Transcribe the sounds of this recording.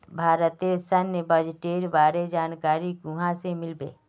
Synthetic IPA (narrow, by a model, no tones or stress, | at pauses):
bʱaːɾət̪esənːebəd͡ʒʈeːɾbaːɾed͡ʒaːnkaːɾiɡuɦãsemɪlbḛː